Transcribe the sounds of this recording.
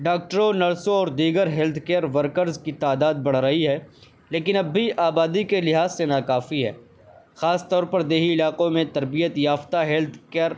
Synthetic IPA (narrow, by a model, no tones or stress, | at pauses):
ɖaːk̚ʈəɾõnɐɾsõɔːɾd̪iːɡəɾɦɛːlt̪ʰkeːɾʋəɾkəɾzkit̪aːd̪aːd̪̚bɐɽ̤̃ɾɐɦiɦɛː | leːkɪnɐbːiʔaːbaːd̪ikelɪɦaːzsenakaːfiɦɛ̰ː | xaːst̪ɔːɾpɐɾd̪eːɦiɪlaːqõmẽt̪ɐɾbijət̪jaːft̪aɦɛːlt̪ʰkeːɾ